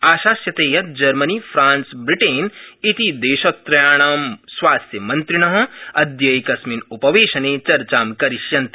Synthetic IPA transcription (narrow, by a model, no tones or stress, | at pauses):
aːʃaːsjɐt̪eːjɐt̪̚d͡ʒɐɾmɐnifʰɾaːnsbɾɪʈeːnit̪id̪eːʃɐt̪ːɾɐjaːɽ̃aːmsʋaːst̪jɐmɐnt̪ɾɪɽ̃ɐɦɐ̆ɐd̪jɐjkɐsminupɐʋeːʃɐneːt͡ʃɐɾt͡ʃaːmkɐɾɪʃjɐnt̪